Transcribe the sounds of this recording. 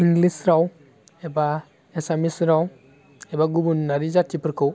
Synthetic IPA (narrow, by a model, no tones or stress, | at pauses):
iŋɡlisɾaw | ɛba | esamisɾaw | ɛbaɡubunːaɾizatipɾkɯw